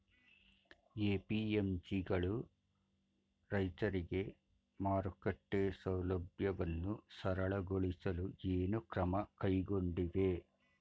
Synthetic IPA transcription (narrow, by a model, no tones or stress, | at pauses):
eːpiːemd͡ʒiɡɐɭu | ɾɐjt̪ɐɾiɡe̞ | maːɾukɐʈːeːsɐwlɐbjɐʋɐnːusɐɾɐɭɐɡoɭisɐlueːnukɾɐmɐkɐjɡo̞ɳɖid̪e̞